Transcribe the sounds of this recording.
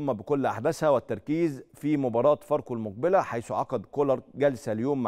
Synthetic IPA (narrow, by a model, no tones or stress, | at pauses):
mːæbekolːʔa̰ħd̪æshæwæt̪ːɑɾˤkiːzfimʊbɑːɾˤɑːt̪fɑɾˤqolmoq̚bɪlæħajsuʕɑqɑd̪kolɑɾˤɡælsæljoːmː